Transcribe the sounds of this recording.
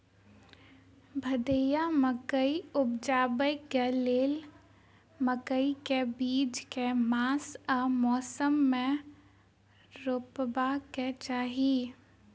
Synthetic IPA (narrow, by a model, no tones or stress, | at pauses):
bʱəd̪ejaməkəiʊbd͡ʒaːbəjɡeleːl | məkəikebiːd͡ʒkemaːsamɔːsəmːẽ | ɾoːpbaket͡ʃaːɦi